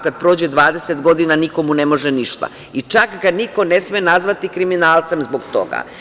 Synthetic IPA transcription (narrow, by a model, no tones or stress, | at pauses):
kad̪̚pɾo̞ːd͡ʑed̪ʋaːd̪e̞set̪ɡo̞d̪inaniko̞mune̞mo̞ʒeniʃt̪a̰ | it͡ʃakkad̪niko̞ne̞smienazʋat̪ikɾiminaːlˠt̪samzboɡt̪o̞̰ɡa̰